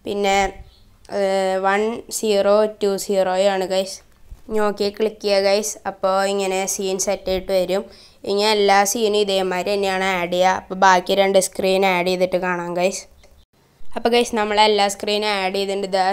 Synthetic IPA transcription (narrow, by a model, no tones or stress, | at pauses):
pinːe̞ | ʋɐnsiːroːtuːsiːroːjaːɳɨkɐjs | ɲːoːkːekːiɭikːijɐkɐjsɐpːo̞ːiŋːɐne̞siːnsɐtːɐjiʈːɨʋɐɾum | iŋːɐneelːaːsiːnɨiðɐjɐmːaːɾenːejaːɳɨaːɽijɐɐpːoːbaːkːiɾeɳɖɨskriːnajɽijiðiʈːɨkaːɳaːnkɐjsɨ̥ | ɐpːoːkɐjsɨnɐmːɐɭelːaːskriːnaːɽijiðuɳɖɨd̪a